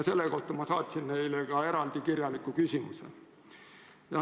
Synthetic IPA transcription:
ɑse̞lːeko̞ht̪ːˑɑmɑsɑːt̪ʲsinːe̞jleɡ̥ɑe̞ɾɑld̪̥ikirjɑlikːˑukysʲimṵsḛ | jɑ

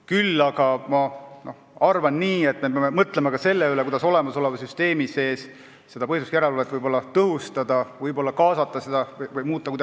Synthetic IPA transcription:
kylːɑɡ̥ɑmɑno̞hɑrvɑnːiːe̞t̪ːˑme̞peɑme̞mɤt̪ˑle̞mɑkɑse̞lːeylekud̪ɑso̞le̞mɑso̞le̞vɑsyst̪e̞ːmise̞ːs | se̞d̪̥ɑpɤhjsuskjæɾelolet̪ːvɯjbo̞lːɑt̪ɤɦust̪ɑd̪ɑvɯjbo̞lːɑkɑːsɑt̪ːˑɑse̞d̪ɑvɤjvɯjmuːt̪ːˑɑkujd̪

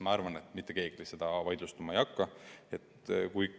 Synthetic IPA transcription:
mɑɑrvɑne̞t̪ˑmit̪ˑːe̞ke̞ːɡ̥elise̞d̪̥ɑvɑjd̪lust̪umɑejɑkːɑe̞t̪kuj

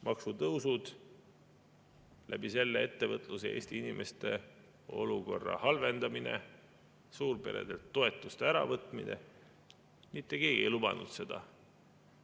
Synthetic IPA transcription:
mʔɑksut̪ɤwsud̪̥ | læb̥ise̞lːee̞t̪ːe̞vɤt̪ˑluseeːst̪iinimʔe̞st̪e̞ | o̞luko̞rːɑ̰hɑlve̞nd̪̥ɑminḛ | suːrbe̞ɾḛd̪̥e̞lt̪ːo̞e̞t̪ːˑust̪eæɾɑvɤt̪ˑminḛ | mit̪ːˑekeːɡiejlubɑnṵd̪̥se̞d̪̥ɑ

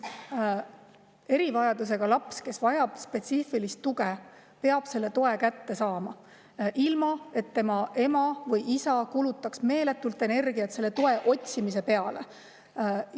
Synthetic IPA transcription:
e̞ɾivɑjɑd̪us̬e̞ɡ̥ɑlɑpske̞svɑjɑb̥spe̞t̪siːfilist̪ːuɡe | pe̞ɑb̥se̞lːe̞t̪o̞e̞kæt̪ːe̞sɑːmɑ | ʔilmɑe̞t̪ːe̞mɑʔe̞mɑvɤjisɑkulut̪ːˑɑksme̞ːle̞t̪ːˑult̪ːˑe̞ne̞rɡiɑt̪se̞lːe̞t̪o̞e̞ʔo̞t̪ʲsimis̬e̞pe̞ɑle̞

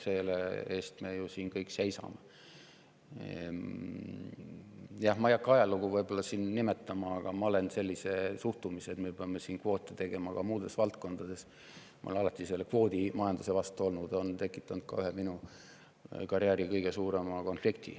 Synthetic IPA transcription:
se̞lḛeːst̪me̞jusiːnkɤjkse̞jsɑ̰me | jɑhmɑjɑkːɑjɑluɡuvɤjb̥o̞lːɑsiːnːime̞t̪ːˑɑmɑɑɡ̥ɑmɑole̞nse̞lʲːise̞suht̪umiset̪me̞peɑme̞siːnkvo̞ːt̪ːˑet̪e̞ɡ̥e̞mɑkɑmuːd̪̥e̞svɑlt̪̚ko̞nd̪̥ɑd̪̥e̞s | m̰o̰lenɑlɑt̪ːˑise̞lːekvo̞ːd̪̥imɑjɑnd̪usevɑst̪uo̞lnud̪̥o̞nt̪e̞kːˑit̪ːˑɑnd̪̥̚kɑ̰yɦeminu | kɑrjæːɾikɤjɡ̥e̞suːɾe̞mɑko̞nflikt̪ḭ

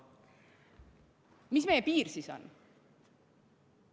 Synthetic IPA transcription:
misme̞jepiːɾsiso̰n

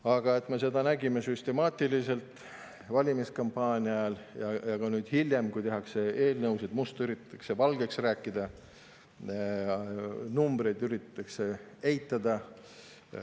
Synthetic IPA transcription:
ɑɡ̥ɑe̞t̪ˑmese̞d̪ɑnæɡime̞syst̪e̞mɑːt̪ilise̞lt̪ˑ | vɑlʲimiskɑmpɑːnʲiɑljɑjɑɡ̥ɑnyːd̪̥hiljemkujt̪e̞ɦɑkse̞e̞ːlnɤwsed̪̥must̪yɾit̪ːt̪ːˑɑkse̞vɑlɡ̥e̞ksræːkːˑid̪̥ɑ | numb̥ɾe̞jd̪yɾit̪t̪ːˑɑkse̞ | ejt̪ːˑɑd̪̥ɑ

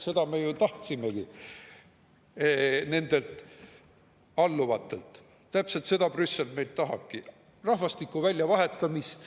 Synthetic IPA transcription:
se̞d̪ɑmejut̪ɑht̪simeɡ̥i | ne̞nd̪̥e̞lt̪ | ɑlːuvɑt̪ːˑe̞lt̪ | t̪æpse̞lt̪se̞d̪̥ɑprysːelme̞jlt̪ɑɦɑ̥ki | rɑhvɑst̪ikːˑuvælʲjɑvɑɦe̞t̪ːˑɑmist̪

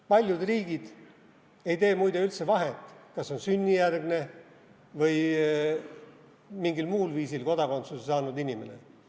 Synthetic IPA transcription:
pɑlʲjud̪riːɡ̥id̪̥ | e̞jt̪e̞ːmujd̪̥eylt̪se̞vɑɦet̪ːˑkɑsːo̞nsynʲːijærɡ̥ne̞ | vɤj | miŋɡilmuːlviːsilko̞d̪̥ɑko̞nt̪susesɑːnud̪inʲime̞ne̞̰

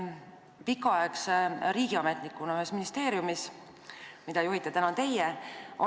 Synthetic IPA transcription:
pikːˑɑɑeksɾiːɡ̥iɑme̞t̪nikːˑunɑyhe̞sminist̪e̞ːɾjumis | mid̪̥ɑjuhit̪ːˑet̪ænɑt̪e̞jeʔo

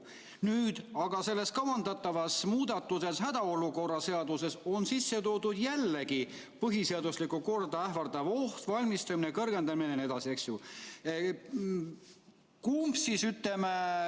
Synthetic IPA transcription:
nyːd̪̥ɑɡ̥ɑse̞lːe̞skɑwɑnd̪ɑt̪ːˑɑvɑsmuːd̪ɑt̪ːˑuse̞shæd̪̥ɑo̞luko̞rːɑse̞ɑd̪use̞so̞nsisːe̞t̪o̞ːd̪ud̪jælːeɡi | pɤɦise̞ɑd̪uslikːˑuko̞rd̪ɑæɦvɑrd̪ɑvo̞ht̪vɑlʲmist̪ɑminekɤrɡ̥e̞nd̪ɑminene̞d̪̥ɑsieksju | kumbsisyt̪ːˑeme

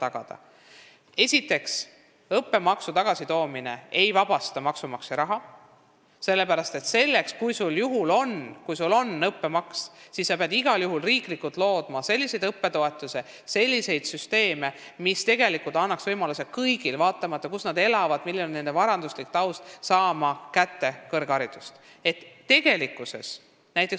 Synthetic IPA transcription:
t̪ɑɡ̥ɑ̰d̪̥ɑ̰ | e̞sʲit̪ːˑe̞ks | ɤpːe̞mɑksut̪ɑɡ̥ɑsit̪o̞ːmine̞̰e̞jvɑb̥ɑst̪ɑmɑksumɑksiɾɑɦɑ | se̞lːe̞pæɾɑst̪e̞t̪se̞lːe̞kskujsuljuɦulo̞nkujsulo̞nːɤpːe̞mɑkssisːɑpeɑd̪iɡ̥ɑljuɦulriːklikːult̪ˑlo̞ːd̪̥mɑse̞lʲːise̞jd̪ɤpːe̞t̪o̞e̞t̪ːˑuse | se̞lʲːise̞jd̪̥syst̪e̞ːme̞mist̪e̞ɡ̥e̞likult̪ɑnːɑksvɤjmɑluse̞kɤjɡ̥ilvɑːt̪ːˑɑmɑt̪ˑːɑkusnɑd̪e̞lɑvɑd̪̥milːione̞nd̪e̞vɑɾɑnd̪uslik̚t̪ɑwst̪sɑːmɑkæt̪ːe̞kɤrɡ̥ɑɾid̪̥ust̪ | e̞t̪ːe̞ɡ̥e̞likːˑuse̞̰s | næjt̪ːˑek

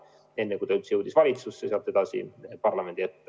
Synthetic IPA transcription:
e̞nːekujt̪ɑylt̪sjɤwd̪̥isvɑlʲit̪susːeseɑlt̪ːˑe̞d̪ɑsḭpɑrlɑme̞nd̪̥iet̪ː

